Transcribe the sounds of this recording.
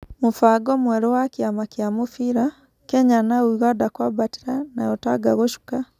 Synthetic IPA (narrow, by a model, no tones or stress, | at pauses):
mufaɡomweɾowakjamakjamufiɾa | keɲanawuɣadakwabati̥ɾanajɔtaɡaɣoʃu̥ka